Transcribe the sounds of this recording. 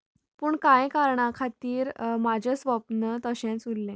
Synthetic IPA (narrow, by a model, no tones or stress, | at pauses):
pəːɳkajkaɾɳakʰat̪iːɾmad͡ʑʱəsʋəpnət̪əɕãnt͡sulːẽ